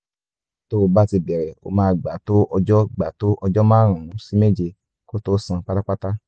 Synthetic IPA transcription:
to˦˧ba˦ti˧bɛ˨ɾɛ˨o̰˧mãː˨˦˧ɡ͡ba˨˦to˦ʔɔ˧d͡ʒɔ˦ɡ͡ba˨˦to˦ʔɔ˧d͡ʒɔ˦mãː˦˨ɾ̃ũ˨ũ˨˦si˦me˦d͡ʒe˧˨ | ko˦to˦sã˧k͡pa˦ta˦k͡pa˦ta˦

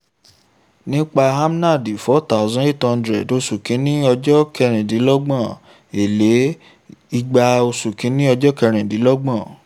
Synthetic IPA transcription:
nĩ˦k͡pa˧a˦m˦na˦˨di˨fɔ˨˦ta˦˨zɔ̃˦e˦˨tɔ̃˧ndɾɛ˨do˧˦su˨kĩ˨˦nĩ˦ɔ˧d͡ʒɔ˦kʰɛ˧ɾ̃ɛ̃˨di˨˦lɔ˦ɡ͡bã˦˨ | e˨le˨˦ | i˧ɡ͡ba˧o˧su˨kĩ˨˦nĩ˦ɔ˧d͡ʒɔ˦kɛ˧ɾ̃ɛ̃˨di˨˦lɔ˦ɡ͡bã˦˨

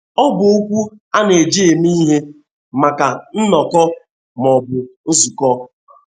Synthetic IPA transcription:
ɔ˦bʊ˨o˦kʷu˦ | a˦ne˨d͡ʒe˦˨e˨mi˦ɦe˦ | ma˨ka˨n̩˦nɔ˨kɔ˦ | mɔ˨bʊ˨n̩˦zu˨kɔ˦˨

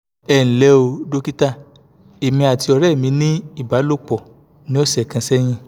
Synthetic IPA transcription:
ɛ˨ñ̩˨lɛ˨˧˦o˧do˦ki˦ta˦˨ | e˨mĩ˧a˨ti˧ɔ˧ɾɛ˦˨mĩ˧˦nĩ˦i˦˨ba˨˦lo˦˨k͡pɔ˨ | nĩ˦o˦sɛ˦˨kã˧sɛ˦j̃ĩ˧

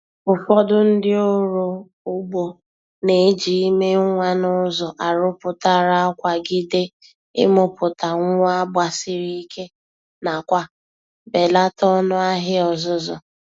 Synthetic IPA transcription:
fʊ˨fɔ˦dʊ˦n̩˦dɪ˦o˦ɾo˨ | ʊ˦ɡ͡bo˨ | ne˨˦d͡ʒi˨i˦me˦ŋʷa˦nʊ˦zɔ˨ʔa˨ɾʊ˦pʊ˨ta˦ɾa˦kʷa˨ɡɪ˦de˦ | ɪ̰˦mʊ˦pʊ˨ta˨ŋʷ˦a˦ba˨sɪ˦ɾi˦i˦kʰe˦ | na˨kʷa˦ | be˨la˦tɔ˦nʊ˦a˦ɦɪ˦ɔ˨zʊ˦zɔ˨

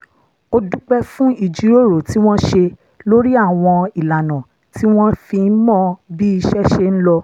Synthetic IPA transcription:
o˧du˦k͡pɛ˦fũ˦i˨d͡ʒi˨˦ɾo˦˨ɾo˨ti˨˦w̃ɔ̃˦ʃe˧ | lo˦ɾi˦a˦˨w̃ɔ̃˧i˨la˨nã˨ | ti˦w̃ɔ̃˦fĩ˧n̩˦mɔ̃˦bi˦i˧ʃɛ˦ʃe˦ñ̩˦lɔ˧

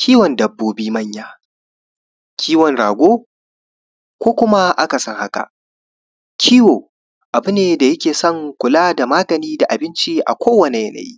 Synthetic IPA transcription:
kʲiː˦wɔ˨ndɐ˨bːoː˦biː˦mɐ˦ɲjaː˨ | kʲʰiː˦wɔ˨ŋɽaː˨ɡʷoː˦ | kʷoː˦kʷʊ˦ma˦ʔa˦ka˨sɔ˦˨ŋha˦ka̰˨ʔ | kʲʰiː˦woː˨ | ʔa˨bʊ˦neː˨da˨jɐ˦kʲeː˨sɐ˦ŋkʷʊ˨laː˦da˨maː˦ɡɐ˨niː˦da˨ʔa˨bɪ˦nt͡ʃi˦ʔa̰˨kʷoː˦wɐ˨ne˨jɐ˦nɐ̰˨jḭ˦

